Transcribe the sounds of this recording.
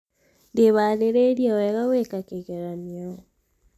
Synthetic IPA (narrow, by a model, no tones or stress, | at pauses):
ndeβaːleɾeɾjaweɣawekakeɣeɾanja